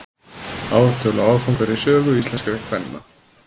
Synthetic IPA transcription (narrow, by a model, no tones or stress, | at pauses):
aːwt̪ʰœlaawfawŋkaɾɪsœːɣʏist̪lɛnskɾɛkʰvɛnːa̰